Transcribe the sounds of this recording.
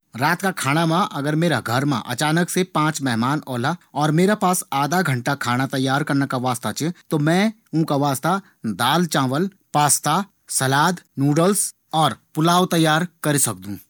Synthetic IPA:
ɾaːt̪kakʰaːɽ̃amãʔɐɡəɾmeːɾaɡʱɐɾmã̰ʔɐ̰t͡ʃaːnəksepãːt͡ʃmɛɦmaːnɔːlaɔːɾmeːɾapaːsaːd̪ʱaɡʱɐ̃ɳʈakʰaːñat̪ɐjːaːɾkɐɾnakaʋaːst̪at͡ʃet̪omɛ̃ | ũːkaʋaːst̪a | d̪aːlt͡ʃãːʋəl | paːst̪a | sɐlaːd̪nuːɖəls | ɔːɾpʊlaːʋt̪ɐjːaːɾkɐɾisɐk̚d̪ũː

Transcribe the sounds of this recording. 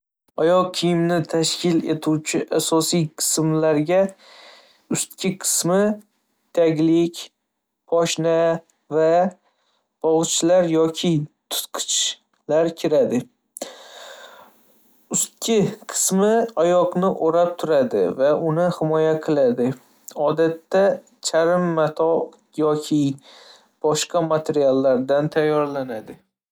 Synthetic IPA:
ɒjɒq̚kʰijɪmnɪt̪ʰaʃkʲɪlḛt̪ʰuwt͡ʃʰɪʔasɒsijqʰɨ̥smlaɾɡʲa | ʊst̪̚kʲʰɪqʰɨ̥smɪ | t̪ʰaɡʲlɪkʲ | pʰɒʃna | va | b̥ɒʁɨt͡ʃʰlaɾjɒkʲʰɪt̪ʰʊ̥t̪qʰɨ̥t͡ʃ | laɾkʲʰɪɾad̪ɪ | ʊst̪̚kʲʰɪqʰɨ̥smɪajɒqnɪʔoɾap̚t̪ʰʊɾad̪ɪ̰vaʔʊnɪhɪmɒjaqʰɨlˠad̪ɪ | ɒd̪at̪ːa | t͡ʃʰaɾɪmːat̪ʰɒ | jɒkʲʰɪ | b̥ɒʃqɑmat̪ʰeɾialˠːaɾd̪ant̪ʰajːɒɾlanad̪ɪ

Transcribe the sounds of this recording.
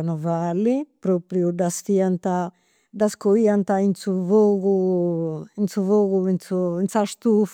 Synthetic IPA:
nuvalːipɾopɾjud̪ast̪iant̪a | d̪askoiant̪ainsuvoɣu | int̪suvoɣuinsuinsast̪uf

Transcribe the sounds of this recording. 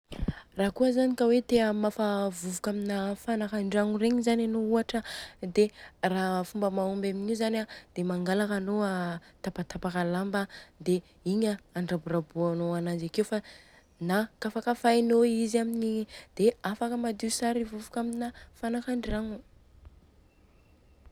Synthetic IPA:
raːkuəzanikawet̪eəmafavuvukaminafanakaɳɖ͡ʐiaŋureɲizananouaʈ͡ʂəd̪erafumbəmaumbaminizanad̪̥emaŋɡalakanoat̪apat̪apakalambəd̪e | iɲaaɳɖ͡ʐaburabuanoanand͡ʒakewfa | nakafakafajnoizaminid̪̥eafakəmad̪iusaɾivuvukʲaminafanakaɳɖ͡ʐaŋu

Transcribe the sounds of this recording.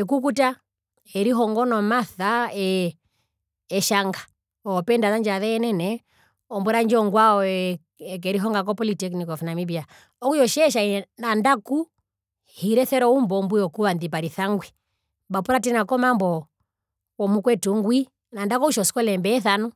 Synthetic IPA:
ɛk̬uk̬uta | ɛɾiɦɔŋɡɔnɔmaθaɛ | ʃaŋɡa | ɔːpɛndaðand͡ʒaðɛːnɛnɛ | ɔmbuɾand͡ʒɔŋɡwaɔ | ɛk̬ɛɾiɦɔŋɡak̬ɔpɔlitɛknikɔfnamibia | ɔkujɔʃɛːʃainandaku | hiɾɛθɛɾɔumbɔmbujɔkuβandip̬aɾiθaŋɡwi | bapuɾatɛnakɔmambɔ | wɔmukwɛtuŋɡwi | nandakɔuʃɔsi̥kɔlɛmbɛːθanu

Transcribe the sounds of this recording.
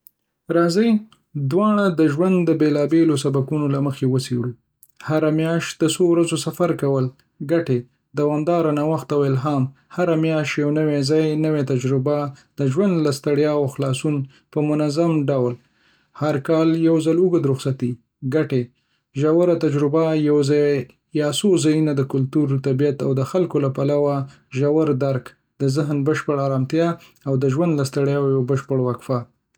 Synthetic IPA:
ɾɑzəj | d̪wɑɳ̃ad̪əʒwand̪ːəbelɑbelosabakunolaməxewəseɽu | haɾamjɑʃt̪̚d̪əsowɾazosafaɾkawəl | ɡaʈe | d̪awɑmd̪ɑɾanawaxt̪awelɦamhaɾamjɑʃjawnəwezɑjnəwet̪ad͡ʒɾʊbad̪̥əʒwand̪last̪aɽjɑwxlɑsun | pəmʊnazamɖawl | haɾkɑljawzaluɡəd̪ɾʊxsat̪i | ɡaʈe | ʒawaɾat̪ad͡ʒɾʊbajawza | jɑsozajunad̪əkʊlt̪uɾt̪abijat̪awd̪əxalkolapalawa | ʒawaɾd̪aɾk | d̪əzɪɦnbəʃpəɽaɾɑmt̪jɑ | awd̪əʒwand̪last̪aɽjɑwjabəʃpəɽwakfa

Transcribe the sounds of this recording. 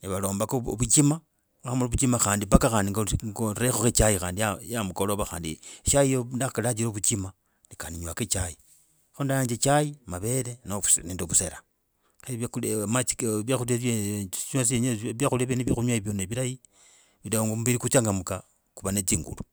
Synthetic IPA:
neβalo̞ːmbako̰βut͡ʃima | axamaloβut͡ʃimaxaːndipakaxaːndiŋɡŋɡoɾexoxet͡ʃajixaːndijajamukoloβaxa̰ːndḭʃajijondaxkalat͡ʃ̬iɾoβut͡ʃima | nikaniɲwaket͡ʃaji | xondajaːd͡ʒet͡ʃajimaβe̞lenouneːndoβuseɾa | xemaiβjaxuleɲwas̬iɲβjaxulieβjeneβjixuɲwajiβjoneβiɾaji | βidaoŋɡomuβiɾikut͡ʃaŋɡamuka | kuβanet͡siːŋɡṵlu

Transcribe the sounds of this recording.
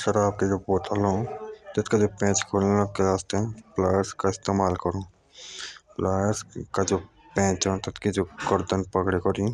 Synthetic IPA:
ʃɐɾaːb̚ked͡ʒoːboːt̪ʰalõːt̪ɐt̪kad͡ʒoːpɛ̃ːt͡ʃkʰoːlelɐt̪̚keɾaːst̪eɦɛ̃plaːjəɾskaɪst̪eːmaːlkɐɾõː | plaːɾskad͡ʒoː | pɛ̃ːt͡ʃɦɛt̪ɐt̪kid͡ʒoːɡəɾd̪ənpɐkɽekɔɾĩ

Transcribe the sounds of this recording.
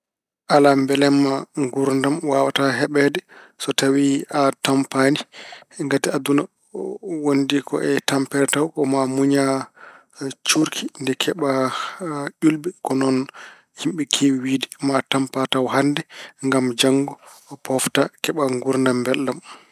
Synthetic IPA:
ʔalambɛlɛmːaŋɡuɾndamwawataɦɛɓɛdɛsɔtawiatampaniŋɡatiaduna | wondikɔ̰ʔɛtampɛɾɛtawkɔmamuɲa | t͡ʃuɾkʰindɛkʰɛɓa | ʔulbɛkɔnɔn | himɓɛkʰiwiwiːdimatampatawhandɛŋɡamd͡ʒaŋɡɔːpʰɔftakɛɓaŋɡuɾndambɛlːam

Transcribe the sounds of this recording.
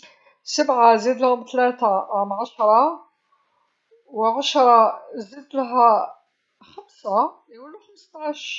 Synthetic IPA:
səbʕazid̪lhmt̪læt̪amʕaʃɾˤɑ | wʕaʃɾˤɑzid̪lɦæ | xæmsa | wəlːuxəmst̪aʃ

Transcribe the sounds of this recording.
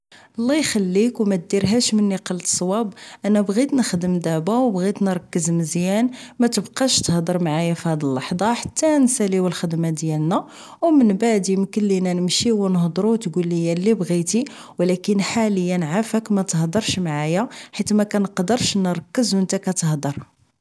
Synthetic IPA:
ʔɑlˤːɑjxælːikwmæt̪̚d̪iɾɦæʃmənːiqɑlt̪sˤwɑbʔænæbɣit̪nəxd̪əmd̪aʕbawbɣit̪nɾˤɑkːəzməzjænmæt̪əbqɑʃt̪əhd̪əɾˤmʕajæfihæd̪əlːɑħd̪ˤɑħḁt̪ːænsæliwəlxəd̪mad̪jælnæ | wmənbaʕd̪imkəlːinænəmʃiwənəhd̪ˤɾut̪ɡulːəjælibɣit̪i | wlækənħaləjːænʕafəkmæt̪əhd̪əɾˤʃmʕajaħit̪æmækænəqd̪əɾˤʃnəɾˤɑkːəzwənt̪ækæt̪əhd̪əɾˤ

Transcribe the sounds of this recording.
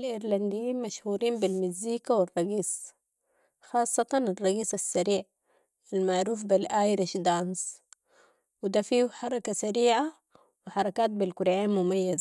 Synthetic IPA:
lʔɪɾland̪ijiːnmaʃhuːɾiːmbilmiziːkawɪrˤːɑɡiːs | xɑːsˤːɑt̪ɑnɑrˤːɑɡiːsasːaɾiːʕ | almaʕɾuːfbilʔaːjɾiʃd̪ɑns | wid̪afiːħɑɾˤɑkasaɾiːʕa | wɪħɑɾˤɑkaːt̪̚bilkuɾʕeːnmumajːaza

